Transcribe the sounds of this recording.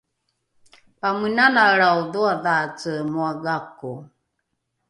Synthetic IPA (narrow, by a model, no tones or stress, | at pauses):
pamənanaɺawðuaðat͡səmuaɡaku